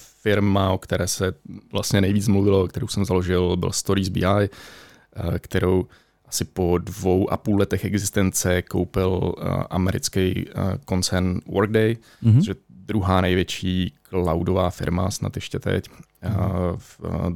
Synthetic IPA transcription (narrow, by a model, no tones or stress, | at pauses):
fɪɾmaokt̪ɛɾɛːsɛvlast̪ɲɛnɛjviːt͡smluvɪlaokt̪ɛɾowsɛmzaloʒɪlbɪ̰lst̪oɾizbḭːaj | kt̪ɛɾow | ʔasɪpo̞dvo̞wʔa̰puːlɛt̪ɛxɛɡzɪst̪ɛnt͡sɛko̞̰wpɪlʔa̰mɛɾɪ̰t͡skɛjko̞nt͡sɛɾnwʔoɾɡ̚dɛj | ojɛdɾuɦaːnɛjvjɛt͡ʃiːklawdovaːfɪ̰ɾma̰sna̰t̪jɛʃcɛt̪ɛ̰c